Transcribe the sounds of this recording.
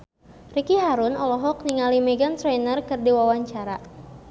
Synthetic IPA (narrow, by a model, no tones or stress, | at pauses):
rikiɦaɾunɔlɔɦɔk̚niŋalimɛɡant̪ɾɛjnərkɨrdiwawaɲt͡ʃaɾa